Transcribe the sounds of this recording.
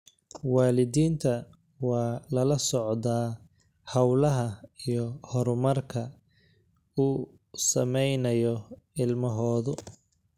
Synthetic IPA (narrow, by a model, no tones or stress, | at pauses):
wɑːlɪðiːnt̪ʰɐ | wɑːlɐlɐsɔʕðaː | hɐwlɐɦɐijɔhɔɾmɐrkʰɐ | uː | sɐmɛjnɐjɔ | ɪlmɐɦɔːðʊ